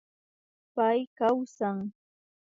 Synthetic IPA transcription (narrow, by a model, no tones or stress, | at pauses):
pajkawsaŋ